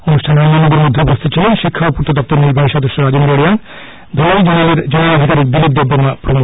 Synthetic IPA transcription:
onuʃʈʰanammonod̪eɾmod̪ʱːebost̪ʰet͡ɕʰilenʃikʰːaopuɾt̪od̪ɔp̚t̪oɾniɾbʱaiʃɔd̪oʃːoɾad͡ʑend̪ɾoɽijan | d̪ʱooid͡ʑleɾd͡ʑenelad̪ʱikaɾikd̪ilip̚d̪ebɾoŋapɾomu

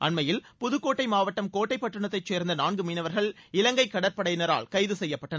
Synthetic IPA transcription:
ʔɐnmɐjɪlpʊðɯkːoːʈːɐɪmaːʋɐʈːɐmkoːʈːɐɪpːɐʈːɯɳɐt̪ːɐɪt͡ʃːeːɾnd̪ɐnaːnɡɯmiːnɐʋɐɾɣɐɭɪlɐŋɡɐɪkːɐɽɐɾpɐɽɐjnɐɾa̰ːlkɐɪðɯsɛjːɐpːɐʈːɐnɐ

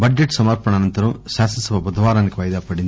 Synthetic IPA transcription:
bɐd͡ʒeʈsɐmɐɾpɐɳɐnɐnt̪ɐɾɐmʃaːsɐnsɐʋɐbɐd̪ʱɐʋaːɾaːnikiʋɐjd̪aːpɐɽind̪i

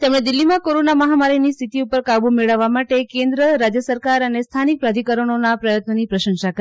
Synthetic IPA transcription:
t̪emɳ̃ed̪ɪlːimãkoɾonaməɦamaɾinist̪ʰit̪iupəɾkabumeɭəʋːamaʈekẽnd̪ɾəɾad͡ʒjəsəɾkaɾənest̪ʰanik̚pɾad̪ʱikəɾəɳ̃onapɾəjət̪nənipɾəʃə̃ŋʃak

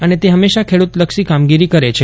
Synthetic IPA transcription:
ənet̪eɦəmːeʃakʰeɽut̪ləkʃikamɡiɾikəɾet͡ʃʰe

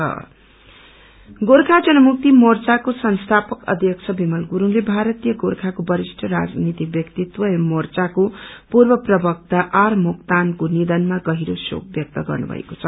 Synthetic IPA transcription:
ʌ̰ | ɡoɾkʰad͡zʌnʌmuk̚t̪imort͡sakosʌnst̪ʰapʌkʌ̰d̪ʱjʌk̚t͡sʰʌbimʌlɡuɾuŋlebʱaɾʌt̪ijʌɡorkʰakobʌɾisʈʰʌɾa̰d͡znit̪ik̚bjʌkt̪it̪wʌjʌmort͡sakopurbʌprʌbʌk̚t̪aʔarmukt̪ankonid̪ʌnmaɡʌɦiɾoso̰k̚bjʌk̚t̪ʌɡʌ̰rnṵbʱʌ̰ḛko̥t͡sʰʌ

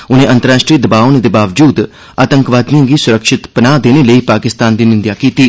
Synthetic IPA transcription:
ʊnẽːʔə̃nt̪əɾaːʃʈɾiːd̪əbaːoned̪eːbaːʋd͡ʒuːd̪ | aːt̪əŋkʋaːd̪nijãːɡiːsʊɾəkʃɪt̪pənaːd̪eːneːləiːpaːkɪst̪aːnd̪iːnɪnd̪jaːkiːt̪iː

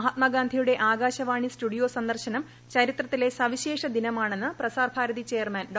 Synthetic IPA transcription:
ɦɐt̪̚mɐɡaːnd̪ʱijuɽe̞ʔaːɡaːɕɐʋaːɳisʈuɽijo̞ːsɐnd̪ɐrɕɐnɐm | t͡ɕɐɾit̪rɐt̪ːile̞sɐʋiɕe̞ːʂɐd̪inɐmaːɳe̞nːɨprɐsaːrbʱaːɾɐðit͡ɕejɐrmɐnɖ

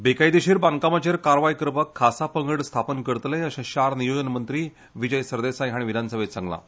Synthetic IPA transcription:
bekajd̪iɕiːɾbaŋkamat͡ɕeɾkaɾʋajkɾpəkʰːasapəŋɡəɽst̪ʰapənkəɾt̪lẽəɕãɕaɾnijod͡ʑənmənt̪ɾiː | ʋid͡ʑəjsəɾd̪esajɦaɽ̃iʋid̪ʱansəʋet͡sãŋɡla̰

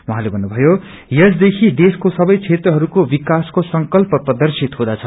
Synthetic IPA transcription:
wʌɦãlebʱʌnːubʱʌjo | jʌs̬d̪ekʰid̪eskosʌbʌjt͡sʰet̪rʌɦʌɾukobikaskosʌŋkʌlpʌprʌd̪ʌrsit̪ɦod̪at͡sʰʌ

